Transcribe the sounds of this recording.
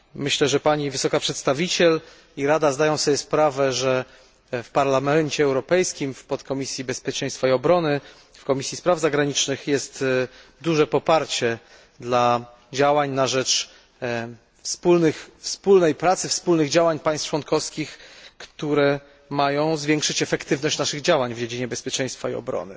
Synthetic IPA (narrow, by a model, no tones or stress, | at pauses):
mɘɕlɛʐɛpaɲivɘsɔkapʂɛt̪st̪avʲit͡ɕɛl | iɾad̪azd̪ajɔ̃w̃sɔbʲjɛspɾavɛʐɛ | fpaɾlamɛɲt͡ɕɛːwɾɔpɛjskʲimfpɔt̪kɔmʲisʲjibɛspʲjɛt͡ʂɛ̃j̃st̪faiɔbɾɔnɘ | fkɔmʲisʲjispɾavzaɡɾaɲit͡ʂnɘxjɛst̪d̪uʐɛpɔpaɾt͡ɕɛ | d̪la | d͡ʑawaɲnaʐɛt͡ʂ | fspulnɘxfspulnɛjpɾat̪sɘfspulnɘɣd͡ʑawaɲpaj̃st̪t͡ʂwɔnkɔfskʲixkt̪uɾɛ | majɔ̃w̃zvʲjɛŋkʂɘt͡ɕɛfɛkt̪ɘvnɔɕt͡ɕnaʂɘɣd͡ʑawaɲvd͡ʑed͡ʑiɲɛbɛspʲjɛt͡ʂɛ̃j̃st̪faiɔ̰bɾɔ̰nɘ̰